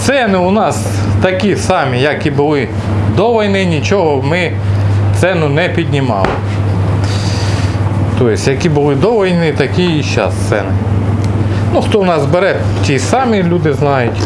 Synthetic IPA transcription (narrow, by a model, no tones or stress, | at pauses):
t̪sɛnɪʊnɑs | t̪ɐkʲisɑmʲijɐkibʊlˠɪ | d̪ɔʋɐjnɪnʲit͡ʃɔɦɔmɪ | t̪sɛnʊnɛpʲid̪ʲnʲimɑ̰lˠɪ̰ | t̪ɔjɪsʲjɐkibʊlˠɪd̪ɔʋɐjnɪt̪ɐkʲiiʃɑ̰st̪sɛ̰nɪ | nuxt̪ɔnɑzbeɾɛ | tʲisɑmʲilʲud̪ɪznɑjʊtʲ